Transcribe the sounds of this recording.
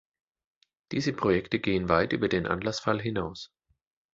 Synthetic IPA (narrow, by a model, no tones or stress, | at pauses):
d̥iːzəpʁ̥ojɛktəɡeːənvaɪtʔy̰ːbɐdeːnʔa̰nlasfalɦɪnaʊs